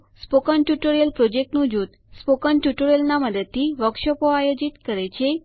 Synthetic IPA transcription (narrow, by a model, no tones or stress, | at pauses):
spokənʈjuʈoɾijəlpɾod͡ʒek̚ʈnũd͡ʒut̪ | spokənʈjuʈoɾijəlnaməd̪əd̪̚t̪ʰːiʋəkʃəpoajod͡ʒit̪kəɾet͡ʃʰe